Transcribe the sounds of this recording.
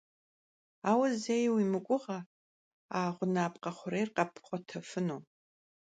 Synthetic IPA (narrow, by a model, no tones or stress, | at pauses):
awazejwimɨkʷʼʊʁa | aːʁʷʊnaːpʼqʼaχʷʊrejrqʼapʰχʷatʰɐfɨno